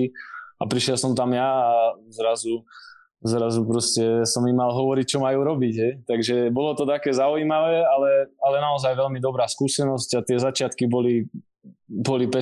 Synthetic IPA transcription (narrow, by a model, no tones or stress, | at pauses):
iapɾiʃjɛlsɔmt̪amjaːzɾazu | zɾazupɾɔscɛsɔmimːalɦɔʋɔɾic̚t͡ʃɔmajuːɾɔbiɟɦɛjt̪aɡʒɛbɔlɔt̪ɔt̪akɛːzaujiːmaʋɛːalɛalɛnaɔzajʋɛlmid̪ɔbɾaːskuːsɛnɔscat̪ɪɛzat͡ʃɪat̪kibɔli | bɔlipɛ